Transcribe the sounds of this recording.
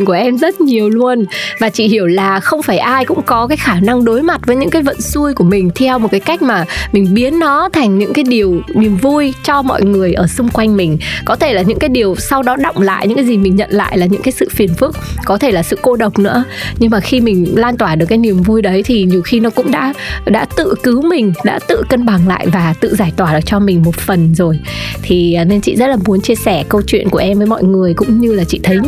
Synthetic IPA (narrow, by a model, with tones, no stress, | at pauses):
ku˧˩ʔɛ˧mzə˦˥t̚ɲi˨˩əwlu˧ənvaː˨˩t͡ɕḭ˧˨hi˧˩əwlaː˨˩xə˧wŋ͡mfaː˧˩jʔaː˧jkʊ̰˧˥ŋ͡mkɔ˨˦kaː˨˦jxaː˧˩na˧ŋɗo˨˦jma˨˩t̚vəː˨˦jɲɨ̰˧˥ŋkaː˨˦jvə̰˧˨nsu˧jku˧˩əmï˨˩ŋ̟t̪ʰɛ˧wmo˨˩t̚kaː˨˦jka˦˥k̟̚maː˨˩mï˨˩ŋ̟ɓi˨˦ənːɔ˨˦t̪ʰa˨˩jŋ̟ɲɨ̰˧˥ŋkaː˨˦jɗi˨˩əwni˨˩əmvu˧jt͡ɕɔ˧mɔ̰˧˨jŋɨ˨˩əjʔəː˧˩sʊ˧ŋ͡mkwa˧jŋ̟mï˨˩ŋ̟kɔ˨˦t̪ʰe˧˩laː˨˩ɲɨ̰˧˥ŋkaː˨˦jɗi˨˩əwsa˧wɗɔ˨˦ɗə̰˧˨wŋ͡mla̰ː˧˨jɲɨ̰˧˥ŋkaː˨˦jzi˨˩mï˨˩ŋ̟ɲə̰˧˨nla̰ː˧˨jlaː˨˩ɲɨ̰˧˥ŋkaː˨˦jsɨ̰˧˨fi˨˩ənfɨ˦˥ək̚kɔ˨˦t̪ʰe˧˩laː˨˩sɨ̰˧˨ko˧ɗə˨˩wk͡p̚nɨ̰˧˥əɲɨ˧ŋmaː˨˩xi˧mï˨˩ŋ̟laː˧nt̪waː˧˩ɗɨ˨˩kːaː˨˦jni˨˩əmvu˧jɗə˨˦jt̪ʰi˨˩ɲi˨˩əwxi˧nɔ˨˦kʊ̰˧˥ŋ͡mɗa̰ː˧˥ɗa̰ː˧˥t̪ɨ̰˧˨kɨ˨˦wmï˨˩ŋ̟ɗa̰ː˧˥t̪ɨ̰˧˨kə˧nɓa˨˩ŋla̰ː˧˨jvaː˨˩t̪ɨ̰˧˨zaː˧˩jt̪waː˧˩ɗɨ˨˩k̚t͡ɕɔ˧mï˨˩ŋ̟mo˨˩t̚fə˨˩nzo˨˩jt̪ʰi˨˩˨ne˧nt͡ɕḭ˧˨zə˦˥t̚laː˨˩mu˨˦nt͡ɕi˧əsɛ˧˩kə˧wt͡ɕwḭ˧ənku˧˩əʔɛ˧mvəː˨˦jmɔ̰˧˨jŋɨ˨˩əjkʊ̰˧˥ŋ͡mɲɨ˧laː˨˩t͡ɕḭ˧˨t̪ʰə˨˦j